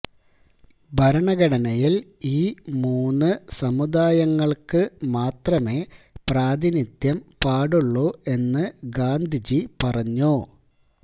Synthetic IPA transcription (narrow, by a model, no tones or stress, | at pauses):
bʱɐɾɐɳɐɡɐɽɐnɐjiliːmuːnːɨsɐmud̪aːjɐŋːɐɭkɨmaːt̪rɐme̞ː | praːd̪init̪jɐmpaːɽuɭːoːʔe̞nːɨɡaːnd̪ʱid͡ʑipɐrɐɲːu